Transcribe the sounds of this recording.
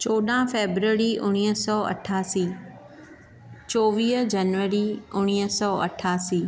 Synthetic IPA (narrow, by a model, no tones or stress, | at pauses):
t͡ɕoːɗãːfeːbɾəɾiʔʊñiːɦəsɔːɐ̰ʈʰaːsiː | t͡ɕoːʋiːɦd͡ʑɐnʋəɾiʊɽ̃iːɦəsɔːʔɐ̰ʈʰːaːsiː